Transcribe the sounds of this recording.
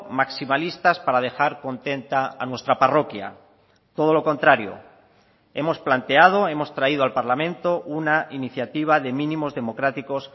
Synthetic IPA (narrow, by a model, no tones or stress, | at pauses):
maksimalist̪aspaɾað̞e̞xaɾko̞nt̪e̞nt̪a̰ːnwe̞st̪ɾaparo̞kja̰ | t̪o̞ð̞o̞lo̞ko̞nt̪ɾaɾjo̞̰ | e̞mo̞splant̪e̞að̞o̞e̞mo̞st̪ɾaiðoalpaɾlamẽ̞nt̪o̞ʔunainiθjat̪iβ̞aðe̞mĩnĩmo̞zðe̞mo̞kɾat̪iko̞s